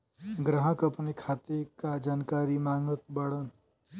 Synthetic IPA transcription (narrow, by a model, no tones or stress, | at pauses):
ɡɾəɦəkəpnekʰaːt̪ekad͡ʒaːnkaːɾimaːŋɡət̪bɐɽən